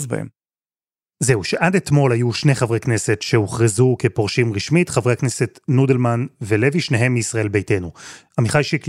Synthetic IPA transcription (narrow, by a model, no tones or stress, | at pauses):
zba̰ḛm | ze̞uʃeʔadet̪mo̞lhajuʃne̞χavʁekne̞se̞tʃe̞uχʁizukepoʁʃimʁiʃmitχavʁeakne̞se̞tnudelmanvele̞viʃneɦe̞mːiisʁaʔe̞lbe̞jte̞nuamiχalʃik